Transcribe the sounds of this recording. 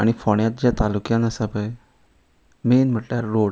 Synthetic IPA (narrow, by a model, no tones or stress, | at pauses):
aɽ̃ifoɽ̃jat̪̚d͡ʑjat̪alukjãnəsapəj | menm̤əʈljaɾːoɽ